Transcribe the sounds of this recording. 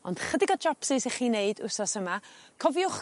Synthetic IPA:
ɔnd̥χədɪɡɔd͡ʒɔpsɪseχiːneɨdʊ̰sɔsəmakʰɔvjʊχ

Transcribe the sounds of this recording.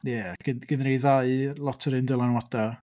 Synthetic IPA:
jɛaɡ̥ɪnɡ̥ɪnrejðaɨlˠɔtʰəɾɨndɪlˠanwada

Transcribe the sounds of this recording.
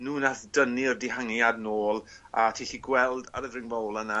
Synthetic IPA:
nuːnaθdənirdɪhaŋjadnoːlˠ | atʰiːɬiːɡwɛlˠda̰ɾəðrɪŋvawlˠəna

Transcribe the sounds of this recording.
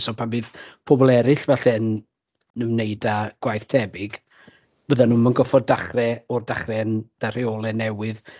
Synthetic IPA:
sɔpʰabɨːðpʰɔbɔlˠɛɾɪɬvaɬɛn | nəmnejdaɡ̥wajθtʰɛbɪɡ | b̥əðanuːmənɡɔfɔddaχrɛɔrdaχrɛənd̥aɾɪɔːlˠɛnɛwɪð

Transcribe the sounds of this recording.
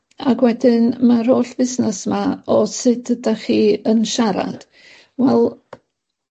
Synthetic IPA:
aɡwɛdɪnmaɾoːɬb̥ɪsnɛsmaɔsɨdədaχiːənʃaɾa̰d̥ | wɛlˠ

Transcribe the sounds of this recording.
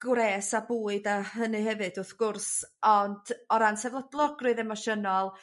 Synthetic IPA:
ɡ̥wɾeːsabuːɨdahɦənɨɦɛvɨdʊθɡ̥ʊrsɔnd̥ɔɾansɛvlˠɔdlˠɔɡrɨðɛmɔʃənɔlˠ

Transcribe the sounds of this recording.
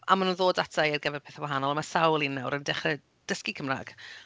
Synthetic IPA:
amanunðoːdatʰajarɡɛvɛrpʰeːθawaɦanɔlˠamasawlˠinːawɾəndɛχrɛ | d̥əskikʰəmra̰ɡ̥

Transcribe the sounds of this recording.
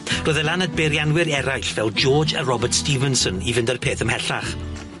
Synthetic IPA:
roːðəlanad̚beɾjanwɪɾɛɾajɬvɛlˠd͡ʒɔːd͡ʒa̰rɔbərtstivənsənivɪndərpʰeːθəmhɛɬa̰χ

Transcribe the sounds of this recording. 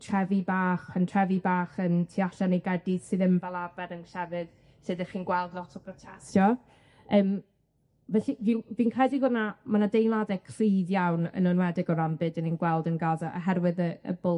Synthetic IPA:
tʰr̥ɛvibaːχpʰantʰr̥ɛvibaːχəntʰiaɬanejɡɛdɪd̥sɨðəmbalˠabɛɾənɬɛvɨd̥ | sɨdɛχiːnɡwɛlˠdlˠɔtʰɔpʰrɔtʰɛstjɔ | əːm | vɛɬivinvinkʰrɛdivʊnamanadejnlˠadɛkʰr̥iːdjawnə̰nənwɛdɪɡɔɾambɨdəninɡwɛlˠdənɡaza̰ɦɛrwɨðəə̰bʊ

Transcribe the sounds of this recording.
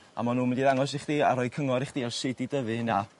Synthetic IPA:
a̰manuːmɪndiðaŋɔsɪχd̥iːaɾɔɨkʰəŋɔɾɪχd̥iːɛsɪdidəvɨna

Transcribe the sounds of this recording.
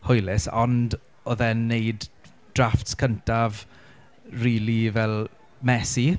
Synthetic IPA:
hʊjlɪsɔnd | ɔðɛnːejd | d̥raftskʰəntʰav | riːlivɛlˠ | mɛsi

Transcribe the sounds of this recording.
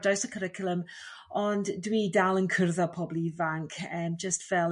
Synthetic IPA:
dawsəkʰəɾɪkʰjʊlˠəm | ɔnddwiːdalˠənkʰərðapʰɔblivaŋkʰəmd͡ʒəstv̥ɛl

